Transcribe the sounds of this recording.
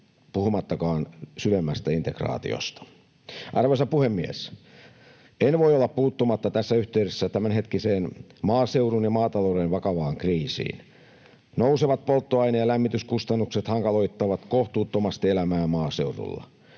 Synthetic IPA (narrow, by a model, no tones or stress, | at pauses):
puhumɑt̪ːɑkɑːnsyʋemːæst̪æint̪ekrɑ̰ːt̪ḭo̰st̪ɑ̥ | ʔɑrʋesɑpuhemːiḛs | enʋoiolːɑppuːt̪ːomɑt̪ːɑt̪æsːæyht̪eyɾesːæt̪æmænɦet̪kiseːnmɑːseurunjɑmɑːt̪ɑloːɾenʋɑkɑʋɑːŋkriːsḭːn | nouseʋɑt̪̚polt̪ːoɑinejɑlæmːit̪yskust̪ɑnːukset̪hɑŋkɑloit̪ːɑʋɑt̪koht̪uːt̪ːomɑst̪ielæmæːmɑːseurṵlːɑ̰